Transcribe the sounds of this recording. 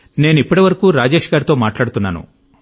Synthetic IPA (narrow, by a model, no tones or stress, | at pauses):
ne̞ːnuipːɐʈiʋɐɾɐkuːɾaːd͡ʒeːʃɐɡaːɾt̪o̞ːmaːʈlaːɽut̪unːa̰ːnṵ